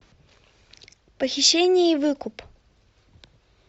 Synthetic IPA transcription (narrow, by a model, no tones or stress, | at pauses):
pəxʲɪɕːenʲɪjəivɨkʊp